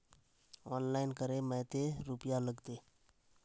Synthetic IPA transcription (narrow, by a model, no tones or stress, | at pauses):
ɔːnlaːɪnkəɾemə̃ːt̪eɾupjaləɡt̪eː